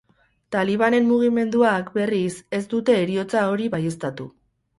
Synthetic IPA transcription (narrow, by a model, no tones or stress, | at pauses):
t̪aliβ̞ane̞mːuɣ̞ime̞nd̪uakbe̞rise̞zd̪ut̪e̞ːɾio̞t͡sao̞ɾiβaje̞st̪at̪u